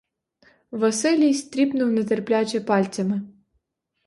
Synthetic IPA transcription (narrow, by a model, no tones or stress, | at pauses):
ʋɐsɪlʲijst̪ʲɾʲipnuwnɐt̪ɛrplʲat͡ʃʲɛpɑlʲt͡sʲɐmɪ